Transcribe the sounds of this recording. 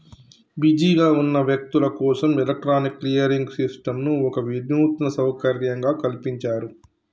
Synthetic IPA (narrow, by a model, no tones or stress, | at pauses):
bid͡ʒiːɡaːunːɐʋjɐk̚t̪ulɐkɔːsɐmɛlɐk̚ʈɾaːnikːlijɐɾiŋɡsisʈɐmnuɔkɐʋid̪nuːt̪nɐsɐwkɐɾjɐŋɡaːkɐlipiɲt͡ʃaːɾu